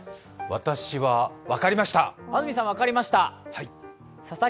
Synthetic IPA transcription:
βat̪aɕiβaβakaɾʲimaɕi̥t̪aazɯmʲis̬ãβakaɾʲimaɕi̥t̪ahai | sasa

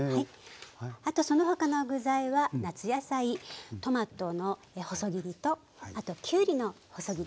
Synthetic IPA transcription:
hai | at̪o̞so̞no̞ɦo̞kano̞ɡɯ̟zaiβanat͡sɨjasait̪o̞mat̪o̞no̞ | eho̞so̞ɡʲiɾʲit̪o̞ | at̪o̞kʲɨːɾʲino̞ | ho̞so̞ɡʲiɾ

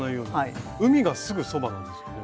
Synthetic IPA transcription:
naijo̞ːai | ɯ̟mʲiɡasɨɡɯ̟so̞banãnd̪esɨne

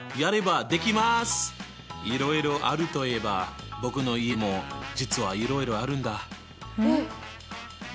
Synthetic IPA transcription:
jaɾe̞bad̪e̞kʲimasɨ̥ | iɾo̞iɾo̞ʔa̰ɾɯ̟t̪o̞ie̞babo̞kɯ̟no̞ie̞mo̞d͡ʑit͡sɨβaiɾo̞iɾo̞aɾɯ̟̃nd̪a

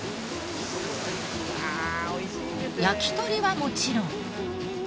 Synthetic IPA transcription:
jakʲi̥t̪oɾʲiβamo̞t͡ɕiɾõŋ

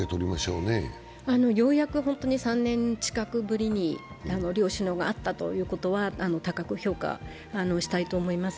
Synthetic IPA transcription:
et̪oɾʲimaɕo̞ːne | ano̞jo̞ːjakɯ̟hõ̞nt̪o̞ɲ̟isãnːẽ̞ɲt͡ɕi̥kakɯ̟bɯ̟ɾʲiɲ̟i | ano̞ɾʲo̞ːɕɨnoːɡa̰ːt̪ːat̪o̞̰jɯ̟ːko̞t̪o̞βaʔano̞t̪akakɯ̟çʲo̞ːka̰ | ano̞ɕi̥t̪ait̪o̞ːmo̞imasɨ̥

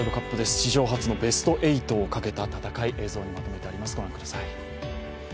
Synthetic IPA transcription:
ɾokapːɯ̟d̪e̞sɨ̥ɕiʑo̞ːɦat͡sɨno̞be̞sɨ̥t̪o̞ʔe̞it̪o̞ːkake̞t̪at̪at̪akaiʔe̞ːzo̞ːɲ̟imat̪o̞me̞t̪e̞aɾʲimasɨɡo̞ɾãŋkɯd̪asai

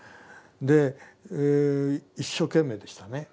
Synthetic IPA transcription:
d̪e̞ | iɕːo̞ːkẽ̞mːe̞ːd̪e̞ɕi̥t̪ane̞

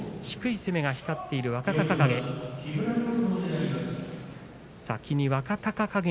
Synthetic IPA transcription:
ɕi̥kɯ̟ise̞me̞ɡaçi̥kat̪ːe̞iɾɯ̟βakakakakaɡekʲiɡɯ̟ɾaikot̪onod̪eaɾʲimasɨ̥ | sa̰kʲiɲ̟iβakakakakaɡe

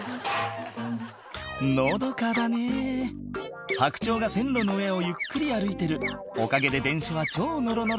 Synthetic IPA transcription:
nod̪o̞kad̪ane̞ | hakɯ̟̥t͡ɕo̞ːɡasẽ̞nɾo̞noɯe̞o̞jɯ̟kːɯ̟ɾʲiaɾɯ̟it̪e̞ɾɯ̟ | okaɡe̞d̪e̞d̪ẽ̞ɰ̃ɕaβat͡ɕo̞ːno̞ɾo̞no̞ɾ

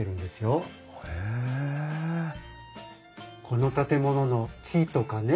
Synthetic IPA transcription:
eɾɯ̟̃nd̪e̞sɨjo̞ | e | kʰo̞no̞t̪at̪e̞mo̞no̞no̞t͡ɕit̪o̞kane

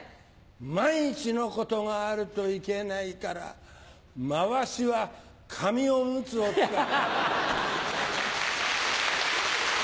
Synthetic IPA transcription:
maiɲit͡ɕino̞ko̞t̪o̞ŋaːɾɯ̟t̪o̞ike̞naikaɾa̰ | maβaɕiβa | kʰamʲio̞mɯ̟t͡sɨok̪a

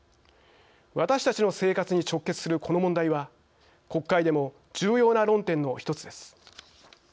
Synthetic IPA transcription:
βat̪aɕi̥t̪at͡ɕino̞se̞ːkat͡sɨɲ̟it͡ɕo̞kːe̞t͡sɨ̥sɨɾɯ̟kʰo̞no̞mõ̞nd̪aiβa | ko̞kːaid̪e̞mo̞ | d͡ʑɨːjo̞ːnaɾõ̞nt̪ẽ̞nːo̞çi̥t̪o̞t͡sɨd̪e̞sɨ̥

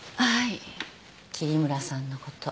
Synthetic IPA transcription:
hai | kʲiɾʲimɯ̟ɾasãnːo̞ko̞t̪o

